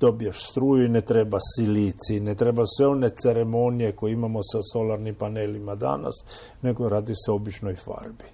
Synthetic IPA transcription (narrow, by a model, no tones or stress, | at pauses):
d̪̥o̞bijaʃst̪ɾuːjuinet̪ɾebasilit̪sinet̪ɾebasʋeo̞net̪seɾemo̞nije̞kojeimamosaso̞laɾnimpanelimad̪a̰na̰s | ne̞ɡoɾaːd̪iseo̞bit͡ʃnojfa̰ɾbi